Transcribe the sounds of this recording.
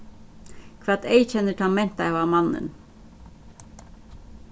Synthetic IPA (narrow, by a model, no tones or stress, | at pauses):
kʰʋæt̪eɪçɛnəʈʰɑmɛnt̪ɑɛʋɑːmɑnə̰n